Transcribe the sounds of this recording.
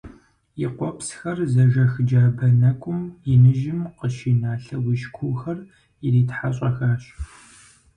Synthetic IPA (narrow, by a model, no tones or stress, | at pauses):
jiqʷɔpsxɐrzɐʒɐxɨd͡ʒaːbɐnɐkʷʼʊmjɪnɨʒɪmqəʃiːnaːɬɐwiʃkʷʰuːxɐr | iɾiːtħaɕʼɐxaːɕʼ